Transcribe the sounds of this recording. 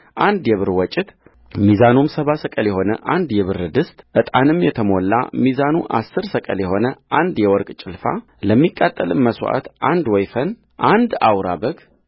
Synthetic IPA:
ʔand̪jɛβɨɾwɔt͡ʃʼːɪt̪ | mizanumsəβasəkʼəljɛho̞nə̰ʔand̪jɛβɨɾɨd̪ɨst̪ʼʔɨt̪ʼanɨmjɛt̪ʰəmo̞lːa̰mizanuʔa̰sːɨɾsəkʼə̰ljɛho̞nəʔand̪jɛwɔɾkʼt͡ʃʼɪlfa̰ | ləmːikʼːat̪ʼːəlɨmməswʔa̰t̪ʔand̪wɔjfən | ʔand̪awɾabəɡ

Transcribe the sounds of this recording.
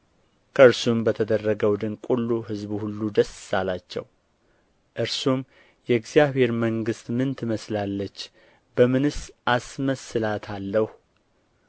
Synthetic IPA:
kʰəɨɾsumbət̪ʰəd̪ərːəɡəwd̪ɨnkʷʼulːuɦɨzβuhulːud̪əssalat͡ʃːɛ̰w | ʔɨɾsum | jɛɡzijaβhe̞ɾməŋɡɨst̪mɨnt̪ʰɨməslalːət͡ʃː | bəmɨnɨsʔasməsɨlat̪ʰalːəh

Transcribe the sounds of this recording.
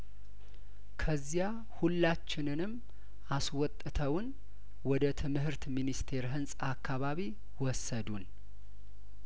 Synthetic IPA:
kʰəzːija | hulːat͡ʃːɪnɨnɨm | aswɔt̪ʼːɨt̪ʰəwn | wɔd̪ət̪ʰɨmɦɨɾt̪minist̪ʰe̞ɾɦɨnsʼakʰːaβaβi | wɔsəd̪un

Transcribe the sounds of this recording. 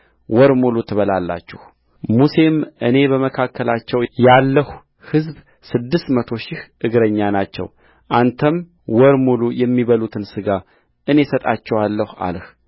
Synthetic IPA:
wɔɾmolut̪ʰɨβəlalːa̰t͡ʃːɪh | muse̞mʔɨne̞bəməkʰakʰːəlat͡ʃːɛwjalːəhu | hɨzb | sɨd̪ːɨst̪mət̪ʰo̞ʃɪhʔɨɡɾəɲːanat͡ʃːɛ̰w | ʔant̪ʰəm | wɔɾmulujɛmːiβəlut̪ʰɨnsɨɡa | ʔɨne̞sət̪ʼat͡ʃːɛwalːəha̰lh

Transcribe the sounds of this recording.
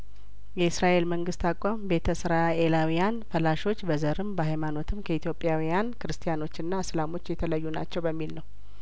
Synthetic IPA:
jɛɨsɾaʔe̞lməŋɡɨst̪akʼambe̞t̪ʰəsɨɾae̞lawijanfəlaʃo̞t͡ʃːbəzəɾɨmbəɦajmano̞t̪ʰɨmkʰəit̪jo̞pʼːjawijankʰɨɾɨst̪ʰijano̞t͡ʃːɨnːaslamo̞t͡ʃːjɛt̪ʰələjːuna̰t͡ʃːɛwbəmːilnəw

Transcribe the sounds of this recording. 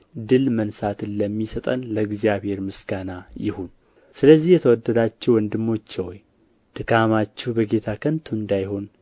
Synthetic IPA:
d̪ɨlmənsat̪ɨnləmːisət̪ʼənləɡzijaβhe̞ɾmɨsɡanajɪhun | sɨləzːihjɛt̪ʰəwɔd̪ːəd̪at͡ʃːɛwɔnd̪ɨmːo̞t͡ʃːɛwj | d̪̥ɨkʰamat͡ʃːɛbəɡe̞t̪ʰakʰənt̪ʰuɨnd̪ajho̞n

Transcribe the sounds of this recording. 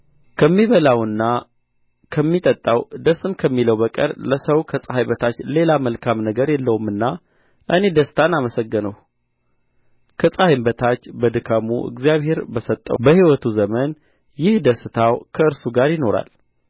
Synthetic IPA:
kʰəmːiβəlawɨnːa | kʰəmːit̪ʼət̪ʼːawd̪əsːɨmkʰəmːiləwbəkʼə̰ɾləsəwkʰəsʼəhajbət̪ʰat͡ʃːle̞laməlkʰamnəɡəɾjɛlːəwumːɨnːa | ʔɨne̞d̪əsɨ̥t̪ʰanaməsəɡːənəw | kʰəsʼahajmbət̪ʰat͡ʃːbəd̪ɨkʰamṵʔɨ̰ɡzijaβɦhe̞ɾbəsət̪ʼːə̰wbəhiwɔt̪ʰuzəmən | jɪhd̪əsɨt̪ʰawkʰəɨɾsuɡaɾjɪno̞ɾa̰l

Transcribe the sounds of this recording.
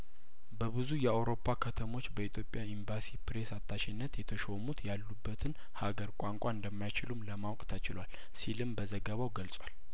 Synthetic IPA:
bəβɨzujɛawɾo̞pʰːakʰət̪ʰəmo̞t͡ʃːbəit̪ʰjo̞pʼjaimbasipʰɾe̞sat̪ʰːaʃɪnːət̪jɛt̪ʰəʃo̞mut̪jalːubːət̪ʰɨn | haɡəɾkʷʼaŋkʷʼaɨnd̪əmːajt͡ʃɪlumləmawkʼt̪ʰat͡ʃɪlwal | silɨmbəzəɡəβawɡəlsʼwal

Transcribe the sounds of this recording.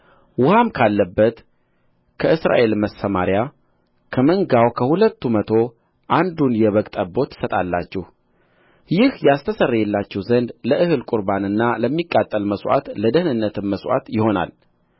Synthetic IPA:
wʊhamkʰalːəbːət̪ | kʰəʔɨsɾa̰ʔe̞lməsəmaɾja | kʰəməŋɡawkʰəhulət̪ːumət̪ʰo̞ | ʔand̪unjɛβəkʼt̪ʼəbːo̞t̪ʰːɨ̥sət̪ʼalːa̰t͡ʃːɛh | jɪhjast̪ʰəsərːajɛlːat͡ʃːɛwzənd̪ləʔɨhɨlkʼuɾbanɨnːaləmːikʼːat̪ʼːəlməsʔa̰t̪ləd̪əhɨnɨnːət̪ʰɨmːəswa̰t̪jɪho̞na̰l

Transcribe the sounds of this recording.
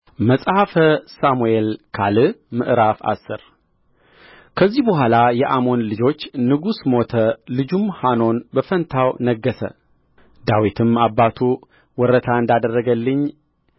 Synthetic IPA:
məsʼhafəsamuelkʰalɨmɨʔɾafa̰sːɨɾ | kʰəzːihbəɦʷalajɛʔamo̞nlɨd͡ʒo̞t͡ʃːnɨɡusmo̞t̪ʰəlɨd͡ʒumhano̞nbəfənt̪ʰawnəɡːəsə̰ | d̪awit̪ʰɨmabːat̪ʰu | wɔɾət̪ʰaɨnd̪ad̪ərːəɡəlːɨɲː

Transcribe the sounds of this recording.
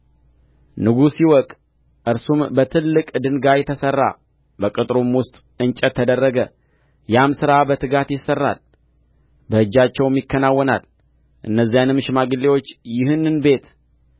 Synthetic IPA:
nɨɡusjiwɔkʼ | ʔɨɾsumbət̪ʰɨlːɨkʼd̪ɨŋɡajɛt̪ʰəsərːa̰ | bəkʼɨt̪ʼɾomwʊst̪ʼ | ɨnt͡ʃʼət̪ʰːəd̪ərːəɡə | jamsɨɾabət̪ʰɨɡat̪jɪsːərːa̰l | bəɨd͡ʒːat͡ʃːɛwmːɪkʰːənawːɔna̰l | ʔɨnːəzːijanɨmʃɪmaɡɨlːewo̞t͡ʃːjɪhɨnːɨnbe̞t̪

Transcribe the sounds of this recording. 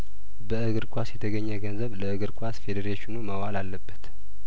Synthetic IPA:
bəɨɡɨɾkʷʼasjɛt̪ʰəɡəɲːəɡənzəβləɨɡɨɾkʷʼasfe̞d̪eɾeʃɪnuməwalalːəbːət̪

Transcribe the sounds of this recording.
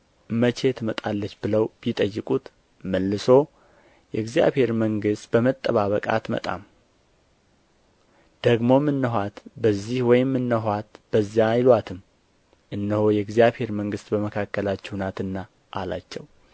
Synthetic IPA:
mət͡ʃe̞t̪ʰmət̪ʼalːət͡ʃːbɨləwbjit̪ʼəjːɨkʼut̪ | məlːɨso̞ | jɛɡzija̰βhe̞ɾməŋɡɨst̪bəmət̪ʼːəβaβəkʼa̰t̪mə̰t̪ʼa̰m | d̪̥əɡmo̞mːɨnːəɦʷat̪bəzːihwɔjɪmːɨnːəɦʷat̪b̥əzːjajlwat̪ʰɨm | ʔɨnːɨhojɛɡzijaβhe̞ɾməŋɡɨst̪bəməkʰakʰːəlat͡ʃːɛwnat̪ɨnːa | ʔala̰t͡ʃːɛw

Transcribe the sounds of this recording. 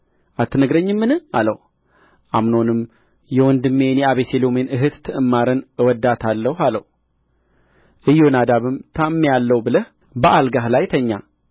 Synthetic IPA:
ʔat̪ʰːɨnəɡɾəɲːɨmːɨnɨalə̰w | ʔamno̞nɨm | jɛwɔnd̪ɨmːe̞njɛaβeselo̞menɨɦɨt̪t̪ʰːɨʔɨmːaɾɨnwɔd̪ːat̪ʰalːəhaləh | ʔɨjːonad̪aβɨmt̪ʰamːejalːəwbɨləh | bəʔalɡaɦlajt̪ʰəɲːa

